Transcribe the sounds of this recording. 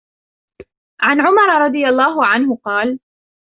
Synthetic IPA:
ʕanʕʊmɑɾˤɾˤɑd̪ˤɨjalˤːaːɦʊʕanɦʊqɑːl

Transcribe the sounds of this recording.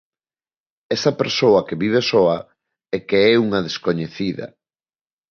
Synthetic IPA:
ɛsɐpeɾsoɐkeβiβ̞esoɐ | ɛkeɛuŋɐðeskoɲeθiðɐ̰

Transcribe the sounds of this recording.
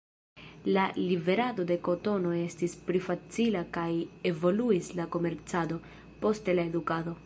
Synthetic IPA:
lalive̞ɾado̞de̞ko̞to̞no̞e̞stispɾifat͡silakaje̞vo̞luislako̞me̞ɾt͡sado̞ | po̞stelae̞dukado̞

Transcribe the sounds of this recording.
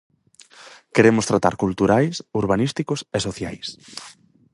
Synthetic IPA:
keɾemʊst̪ɾat̪a̰ɾkult̪uɾajsuɾβanist̪ikʊsesoθjajs

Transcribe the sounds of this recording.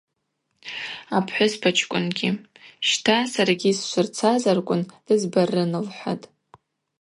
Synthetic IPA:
apʰħʷʊspʰat͡ʃʰkʷʼʊnɡʲi | ʃtʰasaraɡʲiːsʃʷʊrt͡sʰazarkʷʼʊnd̥ɨzbarɨnɨlħʷa̰tʼ

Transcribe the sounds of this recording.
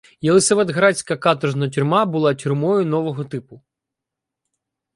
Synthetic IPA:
jelˠɪseʋɛd̪ɦɾɑt͡sʲkɐkɑt̪ɔʒnɐtʲʊrmɑbʊlˠɑtʲʊrmɔjʊnɔʋɔɦɔt̪ɪpʊ

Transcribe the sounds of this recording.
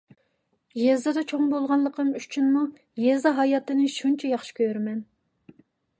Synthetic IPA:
jezd̪ɨd̪ɛt͡ʃʰoŋbolˠʁɑnlˠəqəmyt͡ʃʰynmu | jɛzd̪ɑɦɑjɑt̪ɨnɪʃunt͡ʃʰɛjɑχʃi̥kʲʰøɾmɛn

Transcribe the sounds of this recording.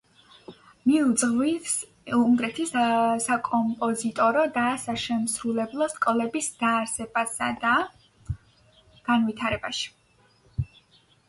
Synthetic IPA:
miud̪zʁwis | umɡɾɛt̪ʰissakʼɔmpʼɔzit̪ʼɔɾɔd̪aːsaʃɛmsɾulɛblˠɔskʼɔlɛbisd̪̥aːɾsɛb̥asad̪a | ɡ̥anvit̪ʰaɾɛbaʃi̥

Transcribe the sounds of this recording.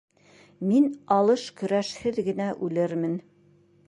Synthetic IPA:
minɑlˠɤʃkɵ̆ɾæʃhɘðɡɘ̆næʔʉlɘɾmɘn

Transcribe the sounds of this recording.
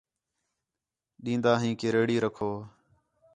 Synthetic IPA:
ɗĩːnd̪aːɦĩːkeːɾeːɽiːɾəkʰoː

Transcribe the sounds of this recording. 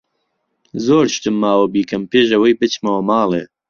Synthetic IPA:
zoːɾʃt̪ɨmːaːwɐbiːkʰɐmpeːʒɐwɐjbɨt͡ʃmɐwɐmaːleː

